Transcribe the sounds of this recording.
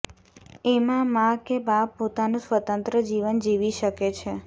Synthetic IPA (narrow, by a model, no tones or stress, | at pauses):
emãmãkebapːot̪anũsʋət̪ənt̪ɾəd͡ʒiʋənd͡ʒiʋiʃəket͡ʃʰe